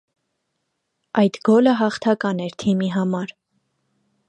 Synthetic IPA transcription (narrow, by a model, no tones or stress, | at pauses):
ɑjt̪ɡɔləɦɑχt̪ʰɑkɑnɛɾt̪ʰimiɦɑmɑɾ